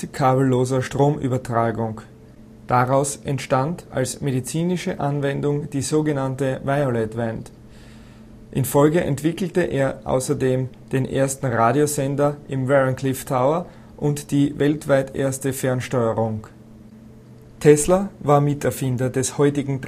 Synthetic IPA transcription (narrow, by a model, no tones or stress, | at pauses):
kʰaːbl̩ːoːzɐʃtʁ̥oːmʔy̰ːbɐtʁ̥aːɡʊŋ | d̥aʁaʊsʔɛntʃtanta̰lsmedit͡siːnɪʃəʔanvɛndʊŋd̥iːzoːɡənantəvaɪolɛtvɛnt | ʔɪnfɔlɡəʔɛ̰ntv̥ɪkl̩təʔeːɐʔa̰ʊsɐdeːm | d̥eːnʔḛːɐstn̩ʁaːdjozɛndɐʔɪmvɛʁənkʰlɪftʰaʊɐ | ʔʊntd̥iːvɛltv̥aɪtʔḛːɐstəfɛɐnʃtɔʏəʁʊŋ | tʰɛslɐvaːɐmɪtɛɐfɪndɐdɛshɔʏtɪɡŋ̩t